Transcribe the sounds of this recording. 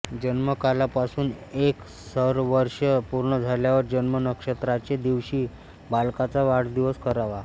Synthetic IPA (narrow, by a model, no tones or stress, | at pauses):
d͡ʑənməkalapasuːnek | səɾʋəɾʂəpuɾɳəd͡zʱaljaʋəɾd͡ʑənmənəkʂət̪ɾat͡ɕed̪iʋɕiː | balkat͡saʋaɽd̪iʋəskəɾaʋa